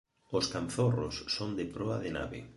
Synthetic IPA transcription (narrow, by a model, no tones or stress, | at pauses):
oskanθoro̰sːond̪ɪpɾoaðɪna̰βɪ̰